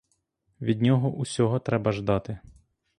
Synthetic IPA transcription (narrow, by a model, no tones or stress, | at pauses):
ʋʲid̪̚ʲnʲɔɦɔʔusʲɔɦɔt̪ɾɛbɐʒd̪ɑt̪ɪ